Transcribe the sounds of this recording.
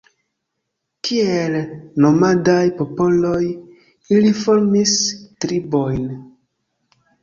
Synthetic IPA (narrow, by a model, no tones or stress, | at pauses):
kʰielno̞madajpopo̞lo̞j | ilifoɾmistɾibojn